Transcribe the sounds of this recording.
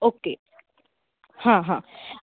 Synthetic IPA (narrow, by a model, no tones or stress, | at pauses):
oːke | hãɦã